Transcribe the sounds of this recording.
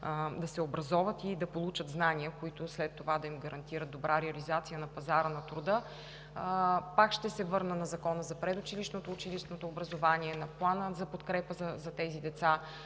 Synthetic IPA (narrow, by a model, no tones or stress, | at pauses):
d̪ɐsɛobɾɐzɔvət̪id̪ɐpolˠut͡ʃət̪znaniəkoit̪ʊslɛt̪ːovad̪ɐimɡɐɾɐnt̪iɾət̪ːobɾʔaɾɛɐlizat̪sijənɐpɐzaɾənɐt̪ɾod̪ə | pakʃt̪ɛsɛvɤɾnənɐzɐkɔnəzɐpɾɛd̪ʊt͡ʃiliʃnot̪oːt͡ʃiliʃnot̪oːbɾɐzovaniɛnɐplˠanəzɐpot̪kɾɛpəzɐzɐt̪ɛzid̪ɛt̪sa